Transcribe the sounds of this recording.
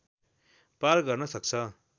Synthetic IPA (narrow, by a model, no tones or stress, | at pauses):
parɡʌrnʌsʌkt͡sʰʌ